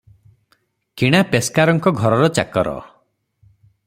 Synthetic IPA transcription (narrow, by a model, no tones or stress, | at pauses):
kiɽ̃apeskaɾɔŋkɔɡʱɔɾɔɾɔt͡ʃa̰kɔɾɔ̰